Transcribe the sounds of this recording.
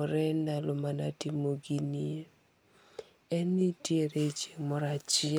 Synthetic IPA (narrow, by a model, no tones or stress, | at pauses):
ɔɾɛndalomana̰timoɡinie | ɛnitjeɾet͡ʃemɔɾat͡ʃɪ